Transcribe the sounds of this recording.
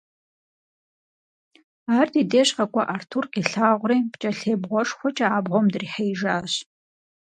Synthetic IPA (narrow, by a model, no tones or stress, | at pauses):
aːrdideːɕqɐkʷʰʼɐʔartʰurqʲʼiɬaːʁʷriːpt͡ʃʼɐɬeːbʁʷɔʂxʷɔt͡ʃʼɐaːbʁʷomdɨriħejʒaːɕ